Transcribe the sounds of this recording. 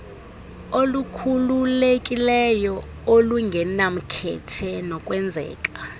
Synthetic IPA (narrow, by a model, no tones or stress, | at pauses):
olukʰululekʼilɛjɔ | oluŋɡʱɛnam̩kʰɛ̰tʰɛnɔkʼwɛnd͡zʱɛ̰ːkʼa